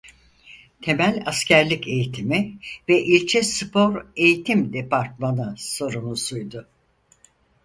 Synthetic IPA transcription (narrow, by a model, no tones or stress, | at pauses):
t̪ʰe̞mælʲascʰæɾlʲice̞jit̪ʰimivɛʔilʲt͡ʃʰɛspʰo̞ɾe̞jit̪ʰimd̪epaɾt̪̚manɯso̞ɾunusujd̪ʊ